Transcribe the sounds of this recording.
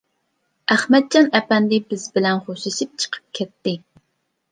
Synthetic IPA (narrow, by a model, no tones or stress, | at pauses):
æχmɛd̪̚d͡ʒɑnɛpɛnd̪ɪbɪzbɪlɛnχoʃɪʃip̚t͡ʃʰə̥qʰə̥p̚kʲʰɛt̪ːɪ